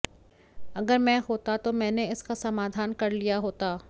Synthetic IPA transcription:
ɐɡəɾmɛ̃ːɦoːt̪at̪omɛ̃ːneɪskasɐmaːd̪ʱaːnkɐɾlijaɦoːt̪aː

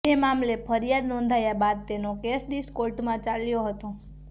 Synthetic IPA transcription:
emamlepʰəɾjad̪nɔ̃nd̪ʱajabad̪̚t̪enokesɖiskoɾʈmãt͡ʃaljoɦət̪õ

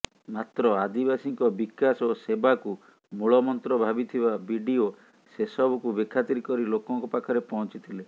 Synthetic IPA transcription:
mat̪ɾɔad̪ibasiŋkɔbikasosebaku | muɭɔmɔnt̪ɾɔbʱabit̪ʰibabiɖio | sesɔbɔkubekʰat̪iɾikɔɾilokɔŋkɔpakʰɔɾepɔɦɔ̃nt͡ʃit̪ʰile

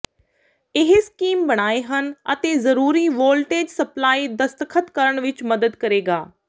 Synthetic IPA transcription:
ɪɦskiːmbəɽ̃aːeɦənət̪eːzəɾuːɾiːʋoːlʈeːd͡ʒsəplaːiːd̪əst̪əkʰət̪kəɾəɳ̃ʋɪt͡ʃməd̪əd̪kəɾeːɡaː

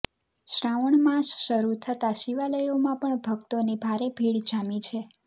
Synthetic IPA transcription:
ʃɾaʋəɳmãsʃəɾut̪ʰət̪aʃiʋaləjomãpəɳbʱəɡt̪onibʱaɾebʱiɭd͡ʒamit͡ʃʰe

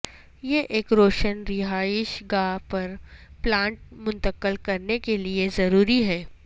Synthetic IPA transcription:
jeʔeːkɾoːʃənɾɪɦaːɪʃɡaːpɐɾ | plãːɳʈ̚mʊ̃nt̪əkəlkɐɾnekeliezɐɾuːɾiɦɛː

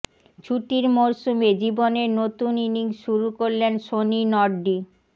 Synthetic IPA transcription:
t͡ɕʰuʈiɾmoɾʃumed͡ʑiboneɾnot̪uniniŋʃuɾukoɾlenʃoninɔɾɖi

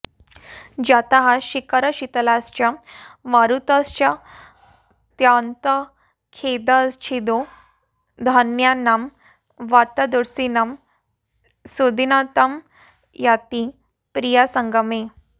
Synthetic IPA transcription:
d͡ʑat̪aɦaɕikəɾəɕit̪əlast͡ɕamaɾut̪ast͡ɕa | t̪jant̪ə | kʰed̪ət͡ɕʰed̪o | d̪ʱanjanam | ʋat̪əd̪uɾsinam | sod̪inat̪əm | jat̪i | pɾijasəŋɡəme

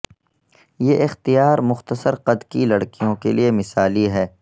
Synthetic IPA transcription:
jeːʔɪxt̪ijaːɾmʊxt̪əsəɾqɐd̪kilɐɽkijõkeliemɪsaːliɦɛː

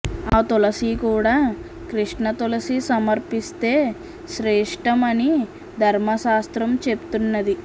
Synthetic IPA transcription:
aːt̪ɔlɐsikuːɽaː | kɾiʂɳɐt̪ɔlɐsisɐmɐɾpist̪e̞ː | ʃɾɛːʂʈɐmɐni | d̪ʱɐɾmɐʃaːst̪ɾɐmt͡ʃept̪unːɐd̪i

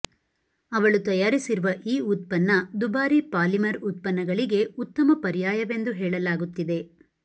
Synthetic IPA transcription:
ɐʋɐɭut̪ɐjaːɾisiɾuʋɐʔiːut̪̚pɐnːɐd̪ubaːɾipaːlimɐɾut̪̚pɐnːɐɡɐɭiɡe̞ut̪ːɐmɐpɐɾijaːjɐʋe̞nd̪uɦeːɭɐlaːɡut̪ːid̪e

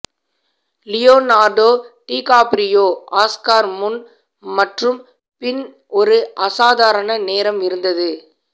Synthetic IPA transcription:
lɪjoːnaːɾɖoːʈiːkaːpɾɪjoːʔaːskaːɾmʊn | mɐʈrɯm | pɪn | ɔɾɯʔɐsaːðaːɾɐɳɐneːɾɐmɪɾɯnd̪ɐðɯ

